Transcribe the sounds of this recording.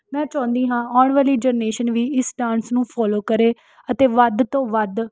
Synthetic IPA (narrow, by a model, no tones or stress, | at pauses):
mɛ̃ːt͡ʃãːnd̪iːɦãːaːɳʋaːliːd͡ʒəɾneːʃənʋiːɪsʈãːnsnũːpʰɔːloːkəɾeː | ət̪eːʋəd̪t̪õːʋəd̪